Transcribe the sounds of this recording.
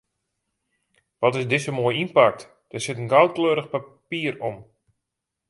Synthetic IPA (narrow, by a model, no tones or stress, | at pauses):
ʋɔtɪsdɪsəmoəjinpak̚t | d̥əsɪtənɡawt̚kløːɾəxpapiːərɔm